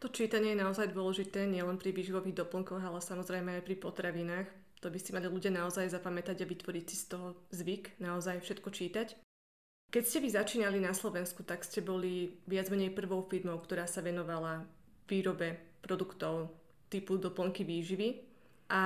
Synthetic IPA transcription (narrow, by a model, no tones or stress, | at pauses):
t̪ɔt͡ʃiːt̪aɲɪɛjɛnaɔzajd̪ʊɔlɛʒit̪ɛːɲɪɛlɛnpɾiʋiːʒiʋɔʋiɣd̪ɔpl̩ŋkɔɣalɛsamɔzɾɛjmɛajpɾipɔt̪ɾaʋinaːx | t̪ɔbisimaliluɟɪanaɔzajzapamɛt̪aɟaʋit̪ʋɔɾicsist̪ɔɦɔzʋiknaɔzajfʃɛt̪kɔt͡ʃiːt̪ac | kɛcscɛʋizat͡ʃiːnalinaslˠɔʋɛnskut̪akscɛbɔliʋɪad͡zmɛɲɛjpr̩ʋɔʊfilmɔʊkt̪ɔɾaːsaʋɛnɔʋala | ʋiːɾɔbɛpɾɔd̪ukt̪ɔʊ | t̪ipud̪ɔpl̩ŋkiʋiːʒiʋi | ʔa